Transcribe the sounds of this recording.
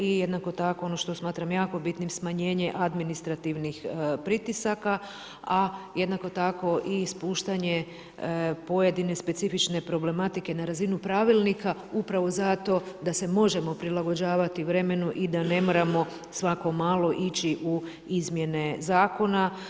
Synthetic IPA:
ijed̪nako̞t̪ako̞o̞no̞ʃt̪o̞smaːt̪ɾamjaːko̞bit̪nimsmaɲe̞ːɲe̞ʔad̪minist̪ɾat̪iʋnixpɾit̪isaka | aje̞d̪nako̞t̪ako̞ʔispuːʃt̪aɲe̞ | po̞je̞d̪ine̞spe̞t̪sifit͡ʃne̞pɾoble̞mat̪ike̞naɾazinupɾaʋilˠnikaupɾaʋo̞zat̪o̞d̪ase̞mo̞ʒe̞mo̞pɾilˠaɡo̞d͡ʑaːʋat̪iʋɾe̞me̞nuʔid̪ane̞mo̞ɾamo̞ | sʋako̞maːlˠo̞ʔit͡ɕiʔu | izmje̞ne̞zaːko̞na

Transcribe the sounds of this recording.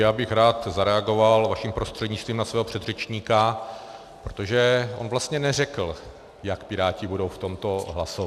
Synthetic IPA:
jaːbɪxɾaːt̪zaɾɛaɡo̞valvaʃimpɾo̞st̪r̥ɛdɲɪtt͡st̪viːmnasvɛːɦo̞pr̥ɛd̪r̝ɛt͡ʃɲiːka | pɾot̪o̞ʒɛʔo̰nvlast̪ɲɛnɛrɛkl̩ | jakpɪɾaːcɪbudo̞wft̪o̞mt̪o̞ɦlaso

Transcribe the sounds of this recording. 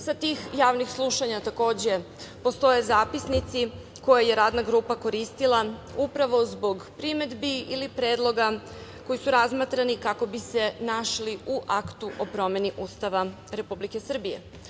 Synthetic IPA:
sat̪ixjaːʋnixslˠuʃaɲat̪ako̞ːd͡ʑe̞ | po̞st̪o̞je̞zaːpisnit̪si | ko̞jaje̞ɾaːd̪naɡɾuːpako̞ɾist̪ilˠaupɾaʋo̞zbo̞ɡpɾime̞d̪biilipɾe̞ːd̪lˠo̞ɡako̞jisuɾazmat̪ɾanikako̞bise̞naʃliuʔakt̪uʔo̞pɾo̞me̞niʔust̪aʋa | ɾe̞publike̞sr̩bije̞̰

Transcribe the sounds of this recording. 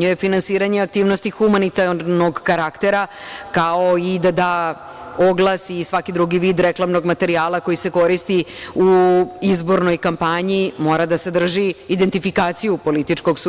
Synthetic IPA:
ɲujefinansiːɾaɲeak̚t̪iːʋno̞st̪ixumanit̪aɾnoɡkaɾakt̪e̞ɾakaoid̪ad̪a | oɡlˠasisʋakid̪ɾuɡiʋiːd̪ɾeklˠamno̞ɡmat̪e̞ɾiaːlˠako̞jise̞ko̞ɾist̪iuizbo̞ɾno̞jkampaɲimo̞ːɾad̪ase̞d̪r̩ʒiːd̪e̞nt̪ifikaːt̪sijupo̞lit̪it͡ʂko̞ɡs

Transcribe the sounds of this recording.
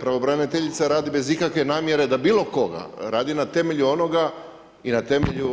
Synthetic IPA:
pɾaʋobɾanit̪eʎit̪saɾaːd̪ibe̞zikakʋe̞naːmje̞ɾe̞d̪abiːlo̞ko̞ɡa̰ɾaːd̪inat̪e̞me̞ʎuo̞no̞ɡa | inat̪e̞meʎu

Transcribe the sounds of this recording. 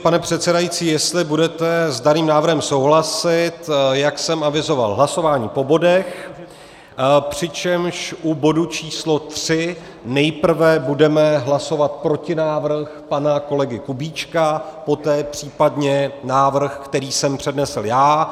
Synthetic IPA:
panɛpr̥ɛt̪sɛdajit͡siːjɛst̪lɪbudɛt̪ɛzdaniːmnaːvr̩ɦɛmsowɦlasɪt̪jaksɛmavɪzo̞va̰lɦlaso̞vaːɲiːpo̞bo̞dɛx | pr̝̥ɪt͡ʃɛmʃʔubo̞dut͡ʃiːslo̞t̪r̥ɪ | nɛjpr̩vɛbudɛmɛɦlaso̞vat̪̚pɾo̞cɪnaːvr̩xpanako̞lɛɡɪkubiːt͡ʃkapo̞t̪ɛːpr̝̥iːpadɲɛnaːvr̩xkt̪ɛɾiːsɛmpr̝̥ɛdnɛsl̩jaː

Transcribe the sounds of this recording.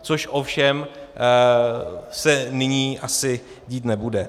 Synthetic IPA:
t͡soʃʔofʃɛm | sɛnɪɲiːʔasɪ | ɟiːt̪nɛbudɛ

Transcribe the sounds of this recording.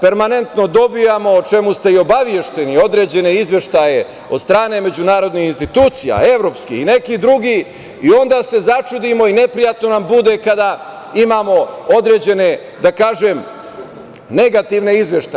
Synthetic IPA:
pe̞ɾmane̞nt̪no̞d̪o̞bijamo̞t͡ʃe̞must̪e̞io̞baʋje̞ʃt̪e̞nio̞d̪ɾe̞ːd͡ʑe̞ne̞izʋje̞ʃt̪aje | od̪st̪ɾaːne̞me̞d͡ʑunaːɾo̞d̪nixinst̪it̪uːt̪sija̰e̞ʋɾo̞ːpskḭxine̞kid̪ɾuɡi | io̞nd̪aːse̞zat͡ʃud̪imo̞ine̞pɾijat̪no̞nambud̪ekad̪a | imaːmo̞o̞d̪ɾeːd͡ʑe̞ne̞ | d̪akaːʒem | ne̞ɡat̪iʋneizʋjeʃt̪a

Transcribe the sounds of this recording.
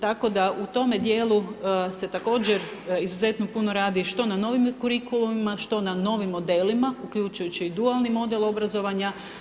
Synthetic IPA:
t̪ako̞d̪aut̪o̞me̞d̪jeːlˠuse̞t̪ako̞ːd͡ʑe̞ɾizuze̞t̪no̞puno̞ɾaːd̪iʃt̪o̞nano̞ːʋimkuɾikulˠumimaʃt̪o̞nano̞ːʋimːo̞d̪e̞ːlimaukʎut͡ʃujut͡ɕiːd̪ualˠnimo̞d̪e̞lˠo̞bɾazo̞ʋaɲa

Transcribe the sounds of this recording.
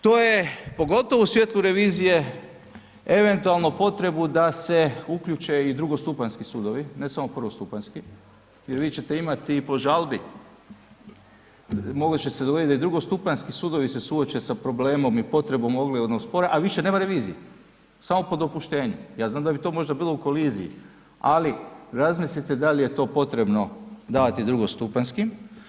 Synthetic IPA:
t̪oːje̞po̞ɡo̞t̪oʋousʋjet̪lˠuɾe̞ʋiːzije̞ | e̞ʋe̞nt̪ualˠnopo̞t̪ɾe̞bud̪ase̞ukʎut͡ʃe̞id̪ɾuɡo̞st̪upanskisuːd̪oʋine̞samopr̩ʋost̪upanski | jeɾʋiːt͡ɕe̞t̪e̞imat̪ipo̞ʒalbi | moɡlot͡ɕesed̪oit̪d̪aid̪ɾuɡost̪upanskisuːd̪o̞ʋise̞suot͡ɕesapɾo̞bleːmo̞mipo̞t̪ɾe̞bo̞mo̞ɡliod̪nospoɾaʔaʋiʃene̞ːmaɾe̞ʋiːziji | samo̞po̞d̪o̞puʃt̪e̞ːɲujaːznaːmd̪abit̪o̞ːmo̞ʒd̪abiːlˠouko̞lizijḭ | aliɾazmislit̪ed̪alije̞t̪o̞ːpo̞t̪ɾe̞bno̞d̪aːʋat̪id̪ɾuɡost̪upanskim

